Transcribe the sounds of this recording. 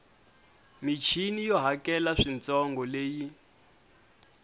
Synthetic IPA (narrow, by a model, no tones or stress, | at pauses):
mit͡ʃʰinijɔɦakɛlaʂint͡sɔŋɡɔleːji